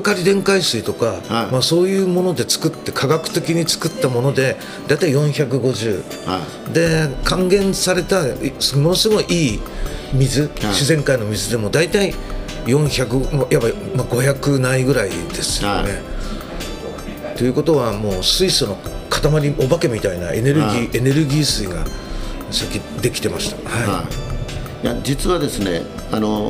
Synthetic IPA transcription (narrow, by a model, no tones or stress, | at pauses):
kaɾʲid̪ẽ̞ŋkaisɨit̪o̞kamaso̞ːjɯ̟ːmo̞no̞d̪e̞t͡sɨ̥kɯ̟t̪ːe̞kʰaɡakɯ̟̥t̪e̞kʲiɲ̟it͡sɨ̥kɯ̟t̪ːamo̞no̞d̪e̞ | d̪ait̪aijõ̞ɰ̃çak̬ɯ̟ɡo̞ʑɨː | d̪e̞kãŋɡẽ̞ɰ̃saɾe̞t̪asmosɨɡo̞iʔiːmʲizɨɕizẽ̞ŋkaino̞mʲizɨd̪e̞mo̞d̪ait̪ai | jõ̞ɰ̃çak̬ɯ̟mojʔaba | maɡo̞çakɯ̟naiɡɯ̟ɾaḭd̪e̞sɨ̥jne̞ | t̪o̞jɯ̟ko̞t̪o̞βamo̞ːsɨisono̞kḁt̪amaɾʲiʔo̞bake̞mʲit̪aina̰e̞̰ne̞ɾɯiːe̞ne̞ɾɯ̟ɡʲiːsɨiɡa̰ | sakʲid̪e̞kʲi̥t̪e̞maɕi̥t̪ḁha | jad͡ʑit͡sɨβad̪e̞sɨnḛ | ano